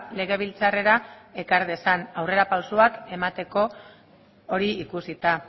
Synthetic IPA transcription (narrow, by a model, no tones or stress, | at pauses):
le̞ɣ̞e̞β̞ilt͡sare̞ɾae̞kaɾðe̞sanawre̞ɾapawsoake̞mat̪e̞ko̞ː | ɾiikusit̪a